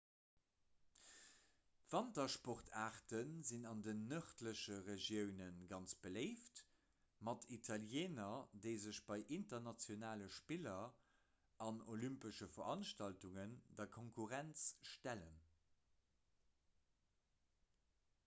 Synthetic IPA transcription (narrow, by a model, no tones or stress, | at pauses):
v̥ɑntɐʃpɔʁtʰaːʁtənzinɑndənːœχtləʃəʁeʒjəʊnənɡɑnt͡sb̥əleɪft | mɑtʰitʰɑljeːnɐdəɪzəɕb̥ɑɪʔintɐnɑt͡sjonaːləʃpilɐ | ɑnolympəʃəfɐʁɑnʃtɑltuŋəndɐkʰoŋkʰuʁænt͡sʃtælən